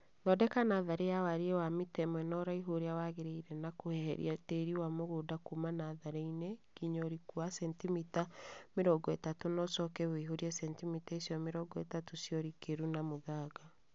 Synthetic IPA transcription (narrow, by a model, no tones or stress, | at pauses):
nɔdɛkanaːðaɾejawaɾiewamitɛmwɛnɔɾaiɦoɾeawaɣeɾeiɾɛnakohɛhɛ̰ɾḭateɾiwamoɣoːdakumanaðaɾeinekiɲɔɾikuasɛntimitameɾɔɡɔɛtatonɔsɔkɛwiɦoɾiɛsɛntimitaisjɔmeɾɔɡɔɛ̰tatosjɔɾikeɾunamoðaːɡa